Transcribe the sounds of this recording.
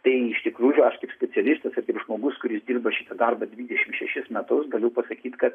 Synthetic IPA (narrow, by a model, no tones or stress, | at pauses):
t̪ɐɪɪʃt̪ʲɪkɾuːjʊɐʃkɐɪpsʲpʲɛt͡sʲɛlʲɪst̪ɐsɐrkɐɪpʒmoːɡʊskʊɾʲɪsdʲiːrbɐʃʲɪt̪ɐd̪ɐrbɐd̪ʲʋʲiːd̪ʲɛʃʲɪmʃʲɛʃʲɪsmʲɛt̪ʊsɡɐlʲʊpɐsɐkʲiːt̪kɐt̪